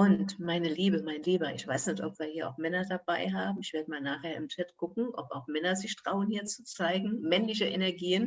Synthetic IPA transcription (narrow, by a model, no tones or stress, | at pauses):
ʔʊntmaɪnəliːbəmaɪnliːbɐʔɪçv̥aɪsnɛçtʔɔpv̥iːɐhiːɐʔa̰ʊxmɛnɐdabaɪɦaːbm̩ɪçv̥eːɐdəmaːlnaːχheːɐɪmt͡ʃɛtɡ̥ʊkŋ̩ʔɔpa̰ʊxmɛnɐzɪçtʁ̥aʊənhiːɐt͡sut͡saɪɡŋ̩mɛnlɪçəʔenɛɐɡiːən